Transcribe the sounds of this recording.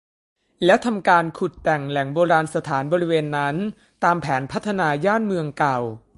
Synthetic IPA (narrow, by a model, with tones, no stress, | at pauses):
lɛ˦˥t̪ʰa˧mkaː˧nkʰu˨˩t̪ːɛ˨˩ŋlɛ˩˦ŋboː˧ɾaː˧nsa˧t̪ʰaː˩˦nbɔː˧ɾi˦˥weː˧nːa˦˥n | t̪aː˧mpʰɛː˩˦npʰa˦˥t̪ʰːa˧naː˧jaː˥˩nmɯ˧əŋka˨˩w